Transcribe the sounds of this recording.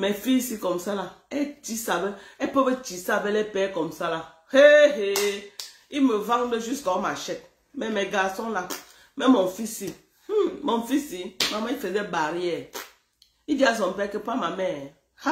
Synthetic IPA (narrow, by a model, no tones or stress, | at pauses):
mefisikɔmsalaetisabeepobet͡ʃisabelepɛkɔmsala | heɦe | imevaŋ̩doʒuskɔmaʃɛt̚ | memeɡasɔŋla | memɔɱfisi | mɔnfisimamaifezebaɾijɛ | idias̬ɔm̩pɛkepamamɛ | ha